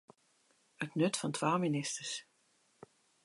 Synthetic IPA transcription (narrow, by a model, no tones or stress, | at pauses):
ətnɵtfɑntʰʋaːlˠminɪstəs